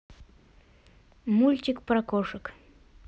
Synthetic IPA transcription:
mulʲt̪ʲɪkpɾakoʂɨk

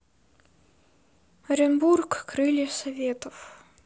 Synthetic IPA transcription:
ɐɾʲɪnburkkɾɨlʲɪsɐvʲet̪əf

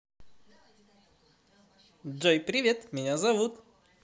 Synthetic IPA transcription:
d͡ʒɔjpɾiʋʲɛt̪miɲʲazaʋut̪

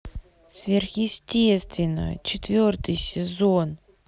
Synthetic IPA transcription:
svʲerxjɪsʲtʲest̪vʲɪnə̰j̰t͡ɕɪt̪vʲort̪ɨjsʲɪzon

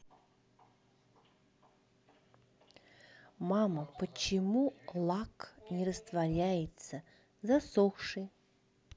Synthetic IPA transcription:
maməpət͡ɕɪmulˠaknʲɪɾəst̪vɐɾʲæjɪt̪sə | zasoxʂɨ

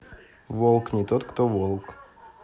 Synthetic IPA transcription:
volˠknʲɪt̪ot̪kt̪ovolˠk

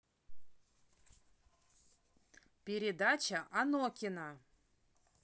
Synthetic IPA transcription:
pʲeɾʲɪd̪at͡ɕəʔanokʲɪna

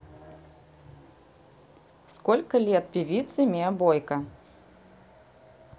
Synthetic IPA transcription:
skɔlʲkɐlʲɛt̪̚pʲivʲit̪sɨmʲeɐbɔjkɐ

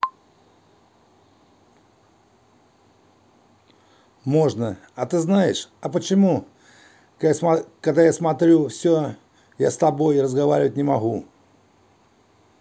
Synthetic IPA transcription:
mo̞ʐnəɐt̪ɨznajɪʂɐpət͡ɕɪmu | kaɡd̪ajasmɐt̪ɾʲufsʲɵ | ja̰st̪ɐbo̞jrəzɡɐva̰ɾʲɪvət̚ʲnʲɪmɐɣu

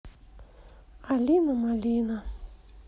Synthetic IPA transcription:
alinamalina

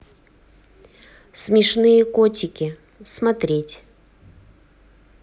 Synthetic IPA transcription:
smʲɪʂnɨjəkotʲɪkʲɪ | smat̪ɾʲetʲ

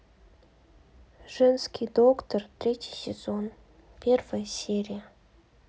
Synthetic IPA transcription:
ʐ̥ɛnskʲijd̪okt̪ort̪ɾʲetʲijsʲez̥on | pʲervəjəsʲeɾʲijə

